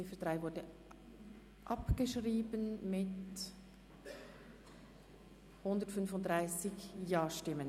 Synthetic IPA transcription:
ɪfəd̥ʁaɪvʊɹdə | ʔɑpɡ̥əʃʁiːbənmɪt | hʊndətfʏnfʊntdʁaɪsɪçjɑːʃtɪmən

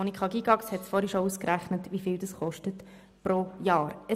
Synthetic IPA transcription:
oːnikʰχɑɡiɡɑkshɛtsfɔɾiʃɔuskɾæχnətʋifɪːldəsχɔʃtət | pɾojɑːɾə

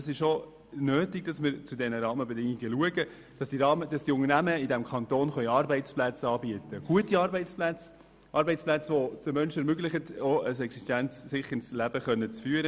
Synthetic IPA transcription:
ɑsɪʃʃo | nøːtiɡ̚d̥ɑsmɪɾt͡sudɛnəɾɑːməbɛdɪŋiɡəluəɡə | d̥ɑsiɑːməd̥ɑsd̥iʊŋərnæməɪdɛmkʰɑntoːnχœʏɑɾbɛɪt͡splæt͡sɑːbiətəɡ̥uətiɑːɾbɛɪt͡splæt͡s | ʔɑːɾbɛɪt͡splæt͡sʋod̥əmœnʃɛɾmøɡlɪχətoəsɛksiʃtænt͡ssɪχːəɪt͡slæb̥əχœnːət͡sfyːəɾə

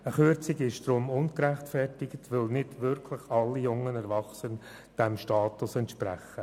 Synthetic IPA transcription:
əχʏɾt͡sɪɡɪʃd̥̪ɾʊmʊnkɾæχtfɛrtɪɡətʋɪlnɪdʋʏɾkʰlɪχɑlːijʊŋənɛɾvɑχsən | d̥ɛmʃtɑːtʊsɛntʃpɾæ̰χːə

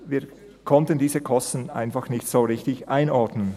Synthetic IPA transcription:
viː | kʰɔntəndiːzəkʰɔstn̩a̰ɪnfɑxnɪçtsoːʁɪçtɪçʔaɪnɔɾdnən

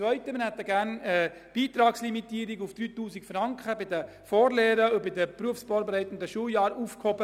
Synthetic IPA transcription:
ʋœʏt̪əmənhɛt̪ːəɡæːɾnɛ | b̥iːt̪ɾɑːkslimitiːɾiɡufd̥̪ɾyːtuːsikfɾɑŋkχəbɪd̪ə | fɔːɾleːɾəʊbɪdəpɾuəfsfɔːɾbɾɛɪt̪ən̩d̪əʃuəjɑːɾufkhɔbə

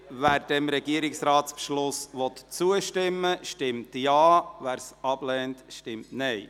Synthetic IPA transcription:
ʋæːɾd̥ɛmɾɛɡiəɾɪksɾɑːtspʃlʊsʋɔt̪t͡suəʃtɪmːəʃtɪmtjɑːʋæːɾsɑb̥lɛːntʃtɪmtnɛɪ

